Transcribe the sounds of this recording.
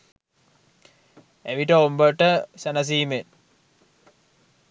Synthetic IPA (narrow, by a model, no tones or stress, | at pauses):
eʋiʈəombəʈəsænɐs̬iːmen